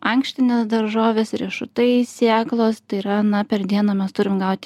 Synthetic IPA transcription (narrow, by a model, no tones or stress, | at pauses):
ɐŋksʲt̪ʲɪnʲeːsd̪ɐɾʒoːʋʲeːsɾʲiɛʃʊt̪ɐɪsʲeːklˠoːst̪ɐɪiɾɐnɐpʲɛɾd̪ʲiɛnoːmʲɛst̪ʊɾʲɪmɡɐʊt̪ʲ